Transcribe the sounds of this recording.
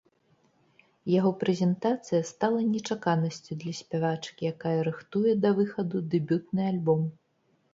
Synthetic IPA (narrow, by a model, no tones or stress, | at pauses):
jaɣɔpɾɛzʲɛnt̪at̪sɨjɐst̪alˠɐnʲɛt͡ʂakanɐsʲt͡sʲud̪lʲɐsʲpʲavat͡ʂɨ̥kʲijakajɐɾɨxt̪ujɛd̪ɐvɨxɐd̪ud̪ɨbʲut̪̚nɨalʲbɔm